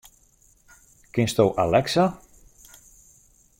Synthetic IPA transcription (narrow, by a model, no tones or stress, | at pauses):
kɪnst̪owʔalɛksa